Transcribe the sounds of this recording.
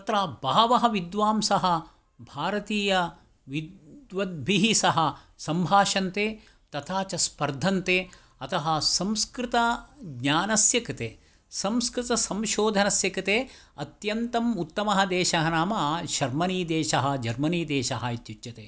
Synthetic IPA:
ɐt̪ɾaːbaːʋɐɦɐʋid̪ʋaːmsɐɦɐ̆ | bʱaːɾɐt̪iːjɐ | ʋid̪ʋɐd̪̚bʱiɦisɐɦɐ | sɐmbʱaːʃɐnt̪eː | t̪ɐt̪ʰaːt͡ʃɐspɐɾd̪ʱɐnt̪eː | ɐt̪ɐɦɐ̆sɐmskɾɪt̪ɐɡɲaːnɐsjɐkɐt̪eː | sɐ̃mskɾɪt̪ɐsɐmʃoːd̪ʱɐnɐsjɐkɐt̪eː | ɐt̪jɐnt̪ɐmut̪ːɐmɐɦɐd̪ɛːʃɐɦɐnaːmɐːɐʃɐɾmɐniːd̪ɛːʃɐɦɐ̆d͡ʒɐɾmɐniːd̪ɛːʃɐɦɐit̪jut͡ʃjɐt̪eː

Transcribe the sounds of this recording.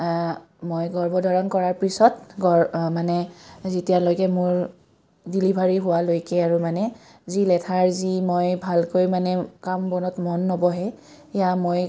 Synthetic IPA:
mojɡɔɹbɔdʱɔɹɔnkɔɹaɹpɹisɔtɡɔɹmanɛzitijalojkɛmʊɹ | dilibʱaɹiɦʊwalojkɛaɹumanɛ | zilɛtʰaɹzimojbʱalkojmanɛkambɔnɔtmɔnːɔbɔɦɛ | ɛjamoj

